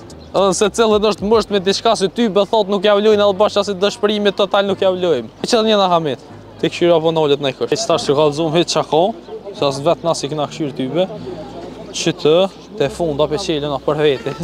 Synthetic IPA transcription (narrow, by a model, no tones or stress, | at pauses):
ɛðɛnəsɛt͡silˠənəʃt̪məʃt̪mɛd̪it͡ʃkas̬it̪ybɛθɔt̪nukjavlujnɛðɛbaʃasid̪əʃpəɾimɛt̪ːɔt̪alnukjavlujmt͡ɕɛlɲənaɦamɛt̪ | t̪ikʃyɾapɔnɔlɛt̪najkəʃt͡ʃt̪aʃt̪ɾɔkalˠzumhɛt̪t͡ʃakɔ | sɛas̬vɛt̪nasiknakʃyɾt̪ybɛ | t͡ʃət̪ʰə | t̪ɛfund̪apɛt͡ɕilənapəɾvɛt̪i